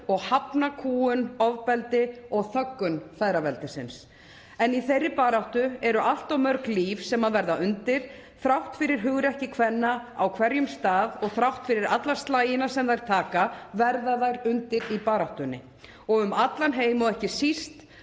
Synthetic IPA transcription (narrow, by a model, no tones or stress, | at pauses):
ɔɣhapnakʰuːʏnɔvpɛlt̪ɪɔɣθœkːʏnfɛðɾavɛlt̪ɪsɪ̰ns | ɛniθejrːɪpaːɾaht̪ʏɛɾʏʔal̥t̪awmœɾkliːfsɛmaðvɛɾðaʏnt̪ɪɾ̥θɾawht̪fɪɾɪɾ̥ɦʏɣɾɛhcɪkʰvɛnːaawkʰvɛɾjʏmst̪aːðɔɣθɾawht̪fɪɾɪɾat̪lḁst̪laːjɪnasɛmðajɾ̥t̪ʰaːkavɛɾðaðajɾʏnt̪ɪɾipaːɾawht̪ʏnːɪ̰ | ɔɣʏmat̪lanɦeːjmɔðɛhcɪsist̪